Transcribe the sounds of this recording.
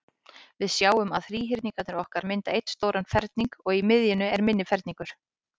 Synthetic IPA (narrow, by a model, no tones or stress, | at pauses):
vɪðsjaːwʏmaðfɾiːɦɪɾt̪niŋkat̪nɪɾɔhkaɾmɪnt̪aejt̪st̪oːwɾanfɛɾt̪niŋkɔɣimɪðjɪnʏɛɾmɪnːɪfɛɾt̪niŋkʏɾ̥